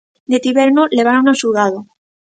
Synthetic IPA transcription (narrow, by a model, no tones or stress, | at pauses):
d̪et̪iβeɾnoleβaɾunasuðaðo